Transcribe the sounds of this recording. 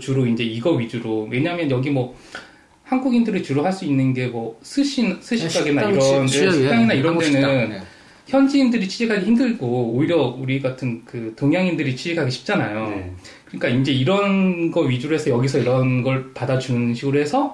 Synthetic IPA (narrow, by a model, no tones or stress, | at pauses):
t͡ɕuɾoind͡ʑe̞iɡʌɥid͡ʑuɾowe̞ɲaɦamjʌnjʌɡimwʌ | hanɡuɡindɯɾɯt͡ɕuɾoɦaɭs͈uinːɯnɡe̞mwʌsʰɯɕʰinsʰɯɕʰit͡ɕaɡenːaiɾʌndesis͈aŋinaiɾʌnenɯn | çjʌnd͡ʑiːndɯɾit͡ɕʰid͡ʑikʰaɡeçimdɯɭɡooiɾjʌuɾiɡatʰɯnkɯtoŋjaŋindɯɾit͡ɕʰid͡ʑikʰaɡeɕʰi̥p̚t͡ɕ͈anajokɯɲik͈aind͡ʑe̞iɾʌnɡʌɥid͡ʑuɾoɦe̞sʰʌjʌɡisʰʌiɾʌnɡʌɭpadad͡ʑunɯnɕʰiɡɯɾoɦe̞sʰʌ